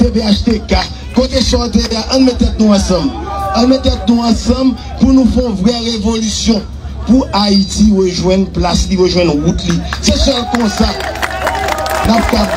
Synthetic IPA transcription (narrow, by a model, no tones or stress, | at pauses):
t̪eveaʃt̪eka | kot̪esɔt̪eaʔɐ̃nmɛ̃t̪ɛt̪̚nũɐ̃sʌ̃m | ə̃nmɛ̃t̪ɛt̪̚nũɐ̃sʌ̃m | punũfɛ̃vʁɛɣevolysjɔ̃ | puaitiɣəʒwɛ̃nplasliɣəʒwɛ̃nɣut̪lisesɛlkɔ̃sa | nap̚ka